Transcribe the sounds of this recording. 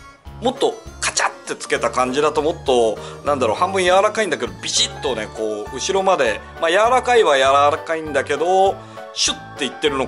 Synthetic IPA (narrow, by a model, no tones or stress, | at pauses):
mo̞t̪ːo̞kḁt͡ɕat̪ːe̞t͡sɨ̥ke̞t̪akãɲ̟d͡ʑid̪at̪o̞mo̞t̪ːo̞nãnd̪aɾohãmbɯ̟̃ɰ̃jaβaɾakaĩnd̪aked̪o̞bʲiʑit̪ːo̞ne̞ko̞ːɯ̟ɕiɾo̞mad̪e̞ | majaβaɾakaiβajaɾaɾakaĩnd̪ake̞d̪o̞ | ɕɨt̪ːe̞it̪ːe̞ɾɯ̟no̞